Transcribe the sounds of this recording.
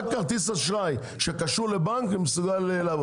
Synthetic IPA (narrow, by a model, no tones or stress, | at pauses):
kaʁt̪isaʃʁaj | ʃekaʃuʁlebaŋkimesuɡalelːv